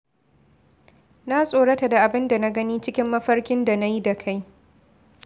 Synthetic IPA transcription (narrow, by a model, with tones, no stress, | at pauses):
na˦sʼoː˨ɽɐ˦ta˨da˨ʔa˨bɪ˦nda˨na˦ɡɐ˦niː˦t͡ʃɪ˦kʲɪ˦mːɐ˦ɸɐ˦rkʲɪ˦nda˨na˦ji˦da˨kʰa˦j